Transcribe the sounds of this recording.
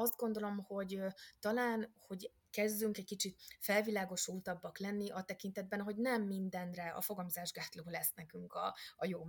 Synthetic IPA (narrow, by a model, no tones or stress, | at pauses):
ɒzd̪̚ɡo̞nd̪o̞lo̞mho̞ɟt̪ɒlaːnho̞ɟ | kɛzd̪ːyŋkɛc̚kit͡ʃit̪̚fɛlvilaːɡo̞ʃult̪ɒbːɒklɛnːiʔɒt̪ɛkint̪ɛd̪̚bɛnɦo̞ɟnɛmːind̪ɛnrɛɒ̰fo̞ɡɒmozaːʒɡaːt̪loːlɛsnɛkyŋkɒ̰ːjoː